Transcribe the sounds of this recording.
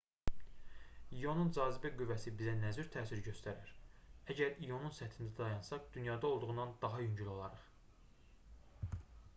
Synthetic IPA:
ijo̞nund͡ʒɑːzibæɡyvæsibizænæzyɾt̪ʰæːsiɾɟø̞st̪æɾiɾæɟæɾijo̞nunsæt̪ʰind̪æd̪ɑjɑnsɑd̪̥ynjɑːd̪ɑolˠd̪uʁunɑnd̪ɑɦɑjyɲɟylo̞lˠɑɾɯχ

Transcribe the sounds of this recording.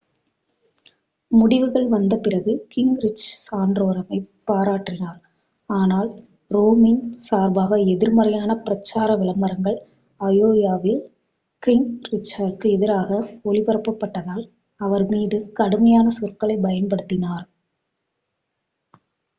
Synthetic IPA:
mʊɽɪʋɯɣɐɭʋɐnd̪ɐpɪrɐɣɯkɪŋɡɾɪt͡ʃsaːnɖroːɾɐmɐɪpːaːɾaːʈrɪnaːɾ | aːnaːl | ɾoːmɪnsaːɾbaːɣɐɛðɪɾmɐɾɐjaːnɐpɪɾɐt͡ʃːaːɾɐʋɪɭɐmːɐɾɐŋɡɐɭ | ɐjoːjaːʋɪl | kɪŋɡɾɪt͡ʃːaːɖkɯɛðɪɾaːɣɐɔɭɪpɐɾɐpːɐpːɐʈːɐðaːl | ɐʋɐɾmiːðɯkɐɽɯmɐjaːnɐsɔrkɐɭɐɪbɐjɐnpɐɽɯt̪ːɪnaːɾ

